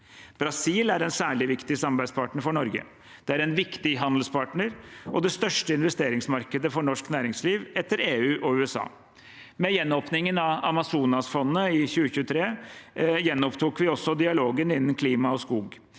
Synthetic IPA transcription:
b̥ɾɑsiːlæɾɛnsæːɭɪʋɪkt̪ɪsɑmɑbæɪd̪spʰɑʈɳəɾfɔɳɔɾɡə̰ | d̪̥ɛæɾɛnʋɪkt̪ɪɦɑnd̪l̩spʰɑːʈɳəɾʔɔd̪ɛst̪œʂʈəɪnʋɛst̪eːɾɪŋsmɑɾkəd̪əfɔɳɔʂknæːɾɪŋsliːʋɛt̪ːəɾeːʉːʔɔʉːɛsɑ̰ː | mɛjɛnːɔːpnɪŋənɑɑmɑsuːnɑsfɔnnəɪçʉːəçʉːət̪ʰɾeː | jɛnːɔpt̪ʰuːkʋɪɔsːɔd̪ɪɑloːɡənɪnːənkʰliːmɑɔskuːɡ

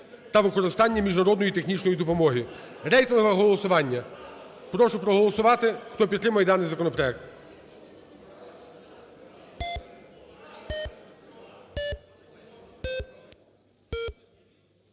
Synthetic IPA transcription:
t̪ɐʋɪkɔɾɪst̪ɑnʲːɐmʲiʒnɐɾɔd̪nɔjit̪exnʲit͡ʃnɔjid̪ɔpɔmɔɦi | ɾɛjt̪ɔnɦʋɐɦɔlˠɔsʊʋɑnʲːɐ | pɾɔʃʊpɾɔɦɔlˠɔsʊʋɑt̪ɪxt̪ɔpʲid̪t̪ːɾɪmɐjɛd̪ɑnɪjzɐkɔnɔpɾɔjɛk̚t̪

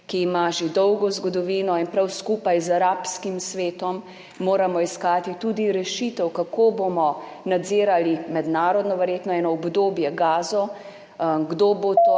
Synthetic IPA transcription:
kiːmaʒed̪ɔwɡɔzɡɔd̪ɔʋiːnɔinpɾawskuːpajzaɾapskimsʋeːt̪ɔmː | oːɾamɔiskaːt̪it̪uːd̪iɾɛʃit̪ɛwkakoːbomɔ | nad̪zeːɾalimɛd̪naːɾɔd̪nɔʋɛɾjeːt̪nɔɛːnɔːbd̪oːbjɛɡaːzɔ | ɡd̪oːbot̪o

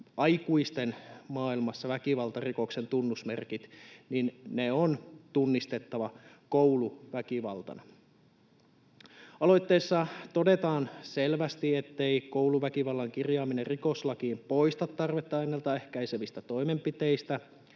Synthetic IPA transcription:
ɑjkuist̪enmɑːilmɑsːɑʋækiʋɑlt̪ɑriko̞kse̞nt̪unːusmḛrkit̪ninneont̪unːist̪e̞t̪ːɑʋɑ | kowluʋækiʋɑ̰lt̪ɑ̰nɑ | ɑlo̞jt̪ːeːsːɑt̪o̞det̪ɑːnselʋæst̪iet̪ːe̞ikowluʋækiʋɑlːɑŋkirjɑːmineriko̞slɑkiːmpo̞ist̪ɑt̪ːɑrʋet̪ːɑɑjnːelt̪ɑehkæiseʋist̪æt̪o̞imempit̪eist̪æ

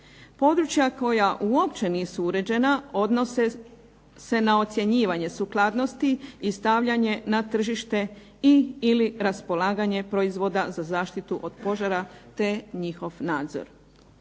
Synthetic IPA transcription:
po̞d̪ɾut͡ʃjako̞jaʔuopt͡ɕe̞niːsuuɾe̞d͡ʑe̞nao̞d̪nose | se̞naot̪sʲje̞ɲiːʋaɲe̞suklˠaːd̪no̞st̪iist̪aʋʎaɲe̞nat̪r̩ʒiʃt̪e̞ | iːliɾaspolaːɡaɲe̞pɾo̞izʋo̞d̪azazaːʃt̪it̪uʔod̪̥po̞ʒaɾat̪e̞ɲixo̞ʋnaːd̪zo̰ɾ

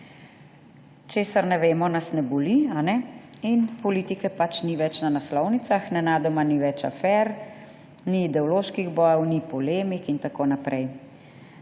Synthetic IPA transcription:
t͡ʃeːsaɾnɛʋeːmɔnasnɛbɔlianɛinpɔlit̪ikɛpat͡ʃniʋɛt͡ʃnanaslɔwnit̪saxnɛnaːd̪ɔmaniʋɛt͡ʃa̰fɛɾ | niːd̪ɛɔloːʃkiɣbɔjɛwnipɔleːmikint̪akoːnapɾʔɛj

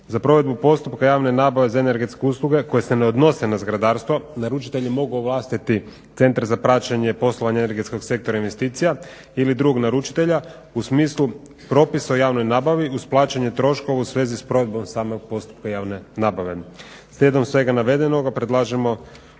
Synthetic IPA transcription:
zapɾo̞ʋe̞d̪̚bupo̞st̪upkajaːʋnenaːbaʋe̞zaene̞ɾɡe̞t̪ske̞uslˠuɡe̞ko̞jeseneo̞d̪no̞se̞nazɡɾad̪aːɾst̪ʋonaɾut͡ʃi̥t̪e̞ʎimo̞ɡuoʋlˠaːst̪it̪i | t̪se̞nt̪ɾzapɾaːt͡ɕaɲepo̞slˠoʋaɲeeneɾɡe̞t̪sko̞ɡse̞k̚t̪o̞ɾainʋe̞st̪iːt̪sija | ilid̪ɾuɡoɡnaɾut͡ʃi̥t̪e̞ʎa | usmiːslˠu | pɾo̞pisaojaːʋno̞jnaːbaʋiusplˠaːt͡ɕaɲe̞t̪ɾo̞ʃko̞ʋausʋe̞ːzispɾo̞ʋe̞d̪bo̞msaːmo̞ɡ̚po̞st̪u̥p̚kajaːʋne̞naːbaʋe̞ | slʲed̪o̞msʋe̞ɡanaʋe̞d̪eno̞ɡapɾe̞d̪lˠaːʒemo̞

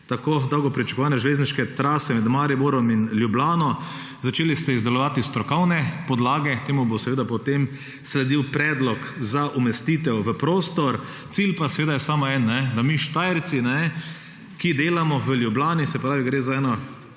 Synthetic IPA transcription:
t̪akoːd̪awɡɔpɾit͡ʃḁkɔʋaːnɛʒɛleːzniʃkɛt̪ɾaːsɛmɛd̪maɾibuɾɔminljublaːnɔ | zat͡ʃeːlist̪ɛizd̪ɛlɔʋaːt̪ist̪ɾɔkɔwnɛpɔd̪laːɡɛt̪eːmubosɛʋeːd̪apɔt̪em | slɛd̪iwpɾɛːd̪lɔkzaʔumɛst̪iːt̪ɛwʋəpɾoːst̪ɔɾ | t̪silpasɛʋeːd̪ajɛsaːmɔɛnːɛd̪amiʃt̪ajɛɾsinɛ | kid̪eːlamɔʋəljublaːnisɛppɾaːʋiɡɾeːzaɛːnɔ

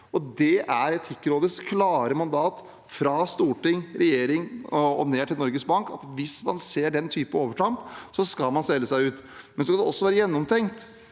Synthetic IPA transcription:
ɔd̪ɛæɾɛt̪hɪkːəɾoːd̪əskʰlɑːɾəmɑnd̪ɑːt̪ | fɾɑst̪uːʈɪŋɾɛjeːɾɪŋɔɔ̰neːʈʰɪlnɔɾɡəsbɑŋkɑ̰t̪ʋɪsmɑ̰nseːɖɛnt̪ʰyːpəoːʋəʈʰɑmpsɔskɑlmɑnsɛlːəsæɪʉːt̪mɛnsɔskɑd̪ɛɔsːɔʋæːɾəjɛnːɔmt̪ʰɛŋt̪

